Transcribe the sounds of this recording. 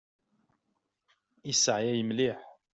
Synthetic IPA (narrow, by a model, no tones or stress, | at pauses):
isːəʕjæjəmliħ